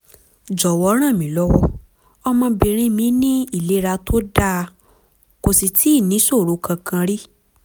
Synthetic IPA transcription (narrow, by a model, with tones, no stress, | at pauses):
d͡ʒɔ˨wɔ˧˦ɾ̃ã˦˨mĩ˨˦lɔ˦wɔ˦ | ɔ˧mã˧˦bi˧ɾ̃ĩ˦mĩ˧˦nĩ˦i˦˨le˨˦ɾa˧tʰo˦da˦ | ko˧si˧tʰi˨˦˨nĩ˨˦so˦˨ɾo˨˦kʰã˧kʰã˧ɾi˦